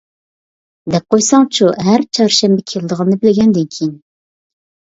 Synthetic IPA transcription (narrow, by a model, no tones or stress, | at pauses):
d̪ɛp̚qojsɑŋt͡ʃʰuɦæɾt͡ʃʰɑɾʃɛmbɛkʲʰeld̪əʁənːɨbɪlɪɡʲɛnd̪ɪnkʲʰijin